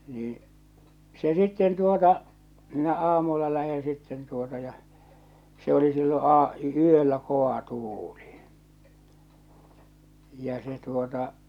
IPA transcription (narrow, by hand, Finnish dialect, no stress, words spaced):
niːĩ se sitːen tuotɑ minæ ɑːmulːɑ læhẽː sitːen tuotɑ jɑ se oli silːo ɑː yølːæ koɑ tuːli jɑ se tuotɑ